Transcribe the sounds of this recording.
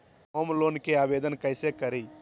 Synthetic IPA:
omlonkeabed̪ənkəɪsekəɾi

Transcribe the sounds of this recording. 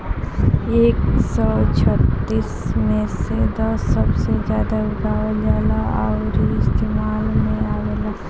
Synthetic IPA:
eːksɔːt͡ʃʰət̪ːiːsmẽsed̪ɔsːɐbsed͡ʒjaːd̪aʊɡaːd͡ʒaːlaɔ̰ɾiɪst̪eːmaːlmẽaːʋelaː

